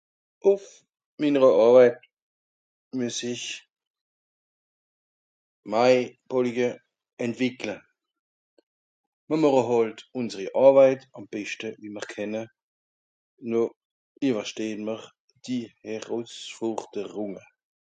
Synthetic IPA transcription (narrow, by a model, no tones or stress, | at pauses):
ʔʊf | minəʁəʔɑːbaɪt̚ | myəsɪç | maɪb̥ɔliɡə | ɛntv̥ɪkʰlə | məmɔʁəɦɑltʊnzəʁiʔɑʁbaɪtɑmb̥ɛʃtəviməʁkʰɛnə | nɔ | ivəʃteːnməʁ | d̥ihɛʁɔsfuʁd̥əʁʊŋə